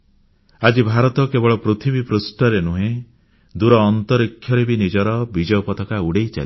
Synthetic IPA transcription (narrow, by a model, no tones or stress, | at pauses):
ad͡ʒibʱaɾɔt̪ɔkebɔɭɔpɾut̪ʰibipɾusʈɔɾenuɦẽ | d̪uɾɔːnt̪ɔɾikʰːjɔɾebinid͡ʒɔɾɔbid͡ʒɔjɔpɔt̪ɔkauɽejt͡ʃa̰l